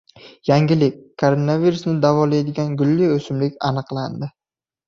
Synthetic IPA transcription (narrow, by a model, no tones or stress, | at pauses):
jaŋɡʲɪlɪkʲkʰːoɾonaviɾusnɪd̪avɒlajd̪ɪɡʲanɡʊlːiɵsɪmlɪkʲa̰nɨqlˠand̪ɪ